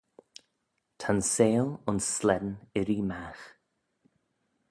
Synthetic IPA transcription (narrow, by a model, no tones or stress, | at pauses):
t̪ʰanseːlʊnsːlɛd̪ənɪɾiːmax